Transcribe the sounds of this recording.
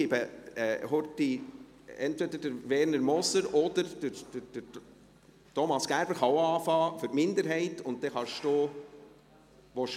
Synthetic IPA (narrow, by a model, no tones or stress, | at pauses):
ɪbəɛhɔɾti | ɛntʋɛd̪ədəɾʋɛːɾnəɾmɔsəɾɔd̪əɾd̥əɾ̥əd̥ə | tɔmɑsɡ̥æɾb̥əɾχɑwɑːfɑːfʏɾtmɪndəɾɦɛɪtʊnt̚t̪ɛχɑʃtoː | ʋɔʃ